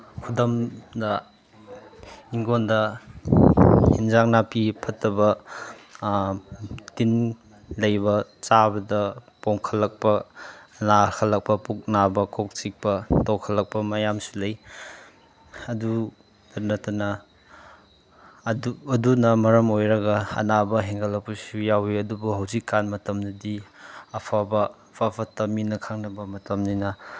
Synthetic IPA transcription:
kʰudɐmdɐ | iŋɡondɐ | hinzaŋ̚napipʰɐtːɐbɐ | tin | lɐjbɐt͡ʃabɐdɐ | poŋkʰɐlːɐk̚pɐnakʰɐlɐk̚pɐpuk̚nabɐkʰok̚t͡ʃik̚pɐtowkʰɐlɐk̚pɐmɐjamsu̥lɐj | ɐdu | dɐnɐtɐnɐ | duɐdunɐmɐɾɐmojɾɐɡɐɐ̰nabɐɦeŋɡɐlɐk̚pusujawiɐdubuɦɐwzikːanmɐtɐmnidiɐpʰabɐ | pʰapʰatɐminɐkʰaŋnɐbɐmɐtɐmninɐ

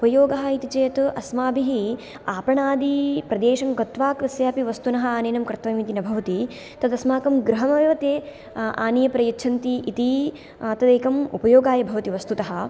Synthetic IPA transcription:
upɐjoːɡɐɦɐ̆it̪it͡ʃɐjɐt̪ʔɐsmaːbiɦi | aːpɐɳaːd̪ipɾɐd̪eːʃɐmɡɐt̪ʋaːkʋɐsjaːpiʋɐst̪unɐɦɐaːneːnɐmkɾɨt̪ʋɐjmit̪inɐbʱɐʋɐt̪i | t̪ɐd̪ɐsmaːkɐmɡɾɐɦɐmɐʋeʋɐt̪eː | a̰ːnijɐpɾɐjɐt͡ʃʰɐnt̪iʔːt̪i | ɐt̪ɐd̪eːkɐmṵpɐjoːɡaːjɐbʱɐʋɐt̪iʋɐst̪ut̪ɐɦɐ̆

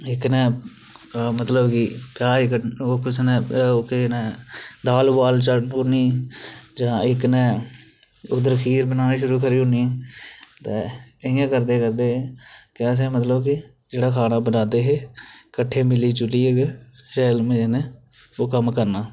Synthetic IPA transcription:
ɪknɛ̃ː | mət̪ləbkɪpɪjaːɪkəoːkɪt͡ʃʰnɛ̃ːokenɛ̃ːd̪aːlbaːlt͡ʃənʊniːd͡ʒãːɪknɛ̃ː | ʊd̪əɾkʰiːɾbənaːnĩːʃʊɾuːkʰəɾiːɦʊniɛt̪ɛːəɪjãːkəɾd̪eːkəɾd̪eːekɪəs̬ẽːmət̪ləbkɪ | d͡ʒeːɽaːkʰaːnaːbənaːd̪eːɦeːkəʈʰːeːmɪliːt͡ʃʊliːeɡʃɛːlmenɛː | oːkəmkəɾnaː

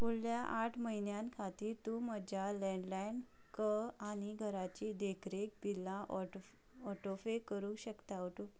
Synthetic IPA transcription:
pulljaʔaʈʰməɦinjãnkʰat̪iːɾt̪ũməd͡ʑʱalɛ̃ɳɖlajnkəaɽ̃iɡʱəɾat͡ɕid̪ekʰɾek̚bilːãʔ | ɔʈofekəɾũɕəkt̪aɔʈo

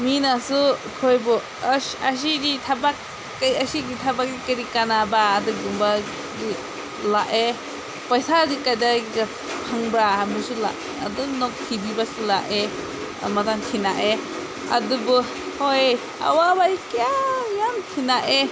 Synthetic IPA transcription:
minasukʰɔjbɔ | as̬iditʰabakː | ajasiɡitʰabak̚dikiɾikanabaːdɯɡumba | ɡi | laʔe | pajsaɡikajdaɡiɡa | pʰaŋbɾahamisula̰ | adunɔkkʰibibasulaʔḛ | mataŋkʰinaʔe | a̰dubu | hoj | a̰wabaikiajamtʰinaʔe

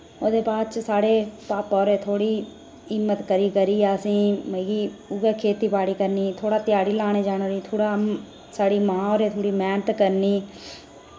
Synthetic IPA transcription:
oːd̪eːpaːd̪t͡ʃsaːɽeːpaːpaoːɾeːt̪ʰoːɽiː | ɪmːət̪kəɾiːkəɾiːaːsĩːmːɡiːʊɡeːkʰeːt̪iːpaːɽiːkəɾniːt̪ʰoːɽaːt̪ɪjaːɽiːlaːɽ̃eːd͡ʒaːñːɾiːt̪ʰoːɽaː | saːɽiːmãːoːɾeːt̪ʰoːɽiːmɛːnət̪kəɾniː

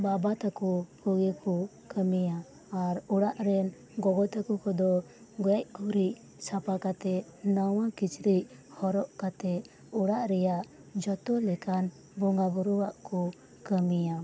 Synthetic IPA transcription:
babat̪akɔhuɡɛkɔ | kəmijaː | ɾuɽaʔɾɛn | ɡɔɡɔt̪akukɔd̪ɔɡɔjac̚kuɾic̚ | sapakat̪ɛnawakit͡ʃɾichɔɾɔʔkat̪ɛ | uɽaʔɾɛjaʔd͡ʒɔt̪ɔlɛkan | bɔŋɡabɔɾɔwaʔkɔ | kəmija

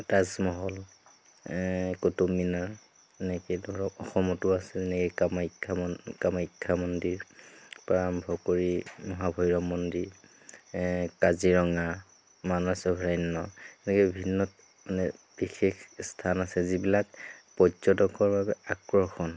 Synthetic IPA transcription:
tazmɔɦɔl | kotomːinaɹ | ɛnɛkɛdʱɔɹɔɔxɔmɔtʊasɛzɛnɛkɛkamaikʰːamkamaikʰːamɔndiɹpaɹambʱɔkoɹimɔɦabʱɔjɹɔmːɔndiɹ | kaziɹɔŋa | manasɔbʱɹajnːɔɛnɛkɛbibʱinːɔt̚ | manɛ | b̥ixexstʰanasɛzibilakpɔzɔtɔkɔɹbabɛakɹɔxɔn

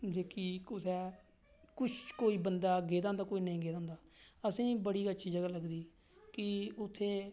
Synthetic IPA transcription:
d͡ʒeːkiːkʊsɛː | kʊt͡ʃʰkoːiːbənd̪aːɡeːd̪ãːnd̪aːkoːiːnəĩːɡeːd̪ãːnd̪aːəsĩːbəɽiːɡəʃʰiːd͡ʒəɡaːləɡd̪iː | kɪʊt̪ʰːeː

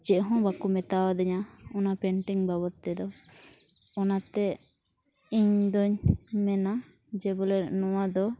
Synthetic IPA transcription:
d͡ʒɛʔɦɔ̃bakumɛt̪awad̪ɔɲaɔnapɛɳʈiŋbabɔt̪ːɛd̪ɔ | ɔnat̪ɛ | iɲd̪ɔɲmɛna | d͡ʒɛbɔlɛnɔwad̪ɔ

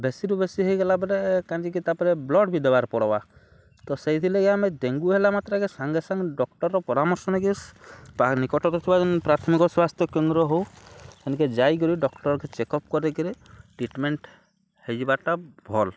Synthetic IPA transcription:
besiɾubesiɦɔjɡelabɔɾekand͡ʒikit̪apɔɾeblɔɖbid̪ebaɾpɔɽɔba | t̪ɔsejt̪ʰileɡeamed̪eŋɡuɦelamat̪ɾɔkesaŋɡesaŋɖɔk̚ʈɔɾːɔpɔɾamɔɾsɔnaɡespanikɔʈɔt̪ɔt̪ʰibad͡ʒɔnpɾat̪ʰɔmikɔswast̪ʰjɔkend̪ɾɔɦowsɛnked͡ʒajɡ̬ɔɾiɖɔkʈɔɾɔkɛt͡ʃekɔp̚kɔɾekiɾeʈɾiʈmeɳʈ | hed͡ʒibaʈabʱɔl

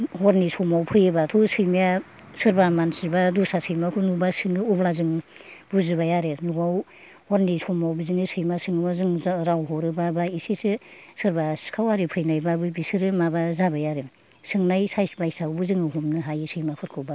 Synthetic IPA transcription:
hɔɾnisʰɔmawpʰɯjɯbatʰusɯjmija | sɯɾbamansibadusasɯjmakʰunubasɯŋɯublazɯŋ | buzɯbajaɾenubaw | hɔɾnisɔmawbizinɯsɯjmasɯŋɯbazɯŋɾawɦɔɾɯbabaisesɯsɯɾbaskʰawaɾipʰɯjnajbabɯbisɯɾɯmabazabajaɾe | sɯŋnajsajsbajsawbɯzɯŋɯɦumnɯɦajɯsɯjmapʰɯɾkʰɯba

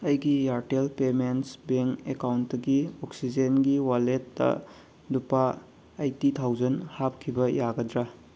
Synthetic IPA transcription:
ɐjɡijaɾtelpementsbeŋkekawntːɐɡiɔksid͡ʒenɡiwaletːɐ̰ | dupaː | jtitʰawd͡ʒɐnhap̚kʰibɐjaɡɐdɾa

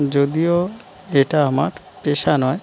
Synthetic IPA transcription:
d͡ʑod̪io | eʈaamaɾ | peʃanɔe

